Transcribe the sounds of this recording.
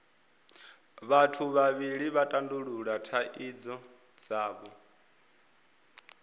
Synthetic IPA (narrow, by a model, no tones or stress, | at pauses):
βatʰuβaβiɺiβatʼanduɺuɺatʰaʔid͡zɔ | d͡zaːβɔ